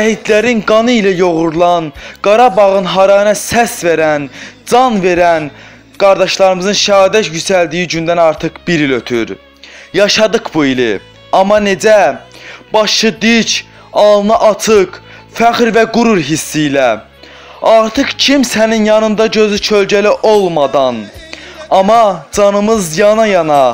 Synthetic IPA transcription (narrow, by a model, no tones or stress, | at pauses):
æɦid̪læɾinɡɑnɯilæjo̞ʁuɾlˠɑnɡ̥ɑɾɑbɑʁɯnɦɑɾɑjnɑsæsve̞ɾænd͡ʒɑnve̞ɾæn | ɡ̥ɑɾd̪ɑʃlˠɑɾɯmɯzɯnʃæɑːd̪ætjysæld̪ijid͡ʒynd̪ænɑɾt̪ʰɯqb̥iɾiløt̪ʰy̰ɾ | jɑʃɑd̪ɯqbuilḭ | ɑmːɑne̞d͡ʒæ | b̥ɑʃɯd̪it͡ʃʰ | ɑlˠnɑʔɑt͡sʰɯkfæxɾvæɡuɾuɾɦisːijlæ | ɑɾt̪ʰɯqcʰimsæninjɑnɯnd̪ɑɟø̞zyt͡ʃʰøld͡ʒæliʔo̞lˠmɑd̪ɑn | ɑmɑd͡ʒɑnɯmɯzjɑnɑjɑnɑ